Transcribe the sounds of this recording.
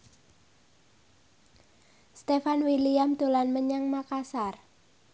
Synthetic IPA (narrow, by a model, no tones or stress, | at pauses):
st̪efanwiliamd̪̥o̤lanməɲaŋmakasar